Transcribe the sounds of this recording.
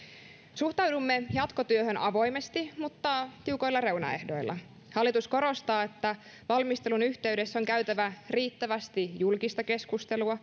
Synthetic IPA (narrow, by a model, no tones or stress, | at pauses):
suht̪ɑwdumːe̞jɑt̪ko̞t̪yøhø̞nʔɑʋo̞jme̞st̪imut̪ːɑːt̪iuko̞jlːɑre̞wnɑ̰ehdojlːˑʔɑ̰ | hɑlːit̪usko̞ɾo̞st̪ɑːe̞t̪ːæ | ʋɑlmist̪e̞lunyçt̪e̞ɥde̞sːo̞ŋkæɥt̪æʋæriːt̪ːæʋæst̪ijulkist̪ɑke̞skust̪e̞luɑ